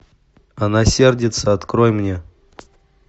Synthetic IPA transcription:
anasʲerdʲɪt̪səɐt̪kɾojmnʲe

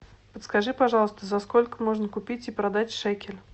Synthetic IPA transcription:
pət̪skɐʐɨpɐʐɑlˠəst̪əzɐskolʲkəmoʐnəkʊpʲit͡sʲipɾɐd̪atʲʂɛkʲɪlʲ

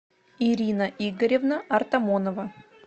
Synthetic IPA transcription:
iɾʲinəʔiɡəɾʲɪvnəɐrt̪ɐmonəvə

